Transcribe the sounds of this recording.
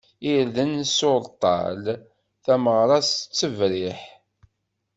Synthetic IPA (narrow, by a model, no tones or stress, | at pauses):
iɾðənsoɾˤt̪ˤːɑ̰l | θæməʁɾˤɑst͡sːəvɾɪħ